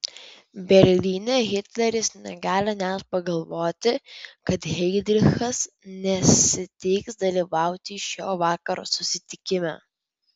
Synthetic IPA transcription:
bʲɛɾʲlʲiːnʲɛɣʲɪt̪ʲlʲɛɾʲɪsnʲɛ̰ɡɑːlʲɪnʲæt̪pɐɡɐlˠʋoːt̪ʲɪkɐt̪ɣʲɛɪd̪ʲɾʲɪxɐs | nʲɛsʲɪt̪ʲɪɪksd̪ɐlʲiːʋɑˑʊt̪ʲiʃʲoːʋɑːkɐɾo̰ːsʊsʲɪt̪ʲɪkʲɪmʲæ̰ː

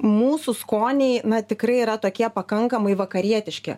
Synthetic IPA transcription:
muːsʊskoːnʲɛɪnɐt̪ʲɪkɾɐɪiːɾɐt̪oːkʲiɛpɐkɐŋkɐmɐɪʋɐkɐɾʲiɛt̪ʲɪʃʲkʲɪ̰

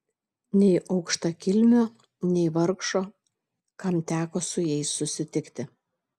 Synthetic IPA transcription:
nʲɛɪʔɐʊkʃt̪ɐkʲɪlʲmʲoː | nʲɛɪʋɐɾkʃoː | kɐmt̪ʲæːkoːsʊjɛɪsʊsʲɪt̪ʲɪkt̪ʲɪ

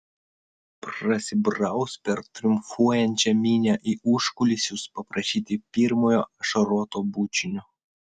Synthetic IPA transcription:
pɾɐsʲɪbɾɐˑʊspʲɛɾt̪ʲɾʲʊmfuɔjɛnʲt͡ʃʲɛmʲiːnʲæʔiːʊʃkʊlʲɪsʲjʲʊspɐpɾɐʃʲiːt̪ʲɪpʲiːɾmoːjoːʃɐɾɔt̪oːbuːt͡ʃʲɪnʲʊ

